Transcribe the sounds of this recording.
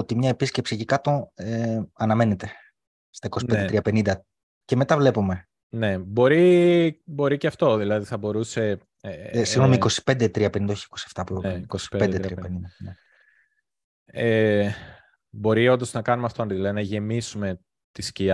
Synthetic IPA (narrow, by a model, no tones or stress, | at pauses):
ot̪imɲɐe̞pisce̞psicikɐt̪o̞eɐnɐme̞ne̞t̪e | st̪ɐikosiped̪t̪ɾiɐpe̞nind̪ɐ | ce̞me̞t̪ɐvle̞pume̞ | ne̞bo̞ɾi | bo̞ɾiceɐft̪o̞ðilɐðiθɐbo̞ɾuse̞ | siɣno̞miko̞si̥pe̞nd̪et̪ɾiɐpenind̪ɐoçi̥ko̞sieft̪ɐpuiikosi̥end̪et̪ɾiɐpenind̪ɐne | e | bo̞ɾiond̪o̞znɐkɐnumeɐft̪oɐnðilɐðinɐʝe̞misume̞ | t̪isciɐ